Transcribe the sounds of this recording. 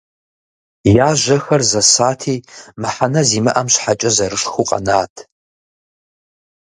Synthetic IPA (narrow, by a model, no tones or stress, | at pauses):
jaːʒʷɐxɐrzɐsaːtʰiːmɨħanɐziːmɨʔɐmɕħat͡ʃʼɐzɐɾɨʂxuqʼɐ̰naːtʰ